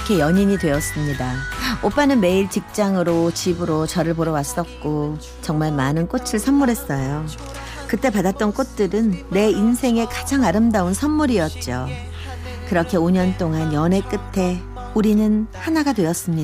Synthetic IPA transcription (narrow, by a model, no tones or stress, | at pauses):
kʰe̞jʌɲiɲidwe̞ʌs͈ɯmɲidaop͈anɯnme̞iɭt͡ɕik̚t͡ɕ͈aŋɯɾot͡ɕibɯɾot͡ɕʌɾɯɭpoɾʌwas͈ʌt̚k͈o | t͡ɕʌŋmaɭmanɯnk͈ot͡ɕʰiɭsʰʌnmuɾɦe̞s͈ʌjo | kɯt͈e̞padat̚t͈ʌnk͈ot̚t͈ɯɾɯnːe̞insʰe̞ŋe̞kad͡ʑaŋaɾɯmdaunsʰʌnmuɾiʌt̚t͡ɕ͈o | kɯɾʌkʰe̞oɲʌnt͈oŋanjʌne̞k͈ɯtʰe̞ | uɾinɯnhanaɡadwe̞ʌs͈ɯmɲi